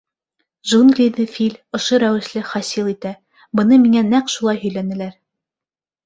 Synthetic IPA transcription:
ʒunɡlʲid̪ɘfʲilʲŏʃoɾæwɘ̆ʃlɘχɑsilˠit̪æ | bɤ̆nɤmiŋænæqʃulˠɑjhɵ̆jlænɘ̆læɾ

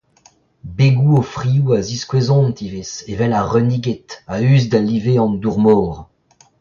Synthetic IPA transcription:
beɡuofʁiuaziskwezɔ̃nt̪ivesevɛlaʁœniɡet̪ayːzd̪aliveɑ̃nduʁmɔːʁ

